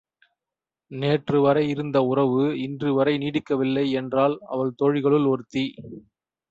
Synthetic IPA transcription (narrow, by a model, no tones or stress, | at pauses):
neːʈrɯʋɐɾɐɪɪɾɯnd̪ɐʊrɐʋɯɪndrɯʋɐɾɐɪniːɽɪkːɐʋɪlːɐɪɛndraːlɐ̰ʋɐɭt̪ɔɻɪɣɐɭɯlɔɾɯt̪ːi